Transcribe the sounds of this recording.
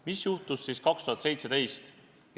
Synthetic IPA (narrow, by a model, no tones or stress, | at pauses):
misjuht̪usːiːskɑkst̪uɦɑt̪se̞jt̪se̞t̪e̞jst̪